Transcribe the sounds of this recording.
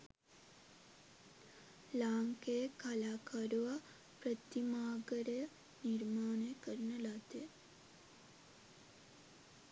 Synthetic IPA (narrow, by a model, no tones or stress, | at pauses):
laːŋkejəkalaːkaɾuʋa | pɾət̪imaːɡəɾəjə | niɾmaːnejəkəɾənəlat̪e